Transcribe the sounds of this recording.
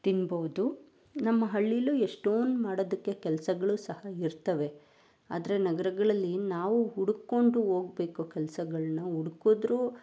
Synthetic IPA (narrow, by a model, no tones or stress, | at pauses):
t̪inboʋd̪u | nɐmːɐɦɐɭːilueʂʈoːnmaːɽoːd̪ɐkːe̞kɛlɐsɐɡɐɭusɐhɐiɾt̪ɐʋe̞ | aːd̪ɐɾe̞nɐɡɐɾɐɡɐɭɐlːinaːʋuɦuɽukːo̞ɳɖuo̞ːɡ̚be̞ːkokɛlɐsɐɡɐɭɐnɐuɽukoːd̪ɾu